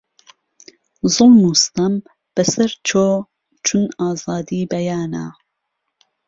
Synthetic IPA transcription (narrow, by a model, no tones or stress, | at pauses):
zolnust̪ɐm | b̥ɐsɐɾt͡ʃʰoː | t͡ʃʰunaːzɑːd̪iːbɐjaːna̰